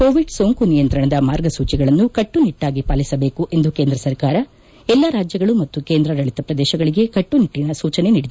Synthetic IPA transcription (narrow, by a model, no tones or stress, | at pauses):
koːʋiɖsoŋkunijɐnt̪ɾɐɳɐd̪ɐmaːɾɡɐsuːt͡ʃiɡɐɭɐnːukɐʈːuniʈːaːɡipaːlisɐbe̞ːkuʔe̞nd̪ukeːnd̪ɾɐsɐɾkaːɾɐ | ɛlːɐɾaːd͡ʒjɐɡɐɭumɐt̪ːukeːnd̪ɾɐɾɐɭit̪ɐpɾɐd̪ɛːʃɐɡɐɭiɡe̞kɐʈːuniʈːinɐsuːt͡ʃɐne̞niːɽid̪e